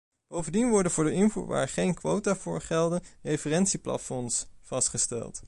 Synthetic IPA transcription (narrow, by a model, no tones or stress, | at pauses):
b̥owvəndinʋɔɹdənvʊːɹdəɪnvṵːɹʋa̰ːɹχejnkʋowtaːvʊːɹχɛlˠdənrejfərɛntsiplɑ̰tfɔnsvɑstχəstɛ̰lˠt